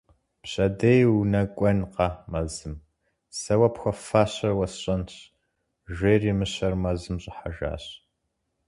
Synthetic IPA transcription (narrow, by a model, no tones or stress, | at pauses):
pɕʼɐdejwunɐkʷʼɔnqɑmɐzɨm | sɐwɐpxʷɐfaːɕɐrwɐsɕʼɐnɕ | ʒʷeːrimɨɕɐrmɐzɨmɕʼɪħaʒa̰ːɕ